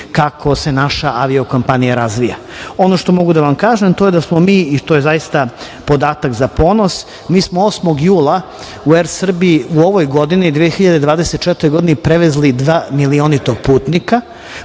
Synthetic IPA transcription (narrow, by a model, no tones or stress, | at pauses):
kakʰo̞se̞naʃaʔaʋioko̞mpanijaɾazʋija̰ | o̞noʃt̪o̞mo̞ɡud̪aʋamkaːʒemt̪o̞je̞d̪asmomiːit̪oje̞zajist̪a | po̞d̪aːt̪akzapo̞ːno̞s | miːsmooːsmo̞ɡjuːlˠa | ueɾsr̩biiuo̞ʋo̞jɡo̞d̪inid̪ʋijexiʎad̪e̞d̪ʋaːd̪eset̪̚t͡ʃe̞t̪o̞jɡo̞d̪inipɾeʋezlid̪ʋaːmilionit̪oɡ̚puːt̪nika